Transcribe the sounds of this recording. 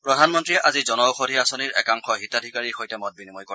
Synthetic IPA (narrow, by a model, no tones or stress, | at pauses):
pɹɔdʱanmɔntɹiɛʔazizɔnɔxʰodʱiasɔniɹʔɛ̰kaŋxɔɦitadʱikaɹiɹxojtɛmɔt̚binimɔjko